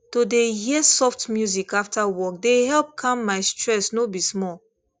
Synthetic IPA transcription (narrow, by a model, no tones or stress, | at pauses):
todeɦiəsɔftmjuzikaftawɔkdeɦɛlp̚kʰãmːaɪstɹɛsnobismɔl